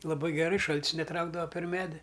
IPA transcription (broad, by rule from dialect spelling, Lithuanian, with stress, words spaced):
lˠɐˈbɐɪ ɡʲɛˈrɐɪ ˈʃɐlʲtʲs nʲɛˈtrɐʊɡdɐʋɐ pʲɛr ˈmʲæːdʲɪ